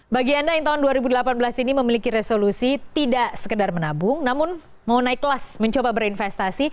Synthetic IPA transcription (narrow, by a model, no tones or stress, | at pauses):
baɡiandajaŋt̪aɦʊnduaɾibudəlapanbəlasiniməmilikiɾesolusit̪idaʔsə̥kədarmənabʊŋnamʊn | maunaɪkːəlasməɲt͡ʃobabəɾinfɛst̪asi